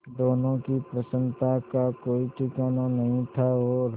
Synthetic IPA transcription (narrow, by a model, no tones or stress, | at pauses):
d̪oːnõkipɾəsə̃nt̪akakoːiʈɪkaːnanɐɦĩt̪ʰaoɾ